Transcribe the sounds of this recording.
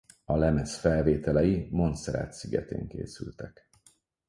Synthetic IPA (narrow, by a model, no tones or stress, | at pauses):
ɒlɛmɛsfɛlveːt̪ɛlɛjimo̞nt̪sɛɾa̰ːt̪siɡɛ̰t̪ḛːŋkḛːsylt̪ɛk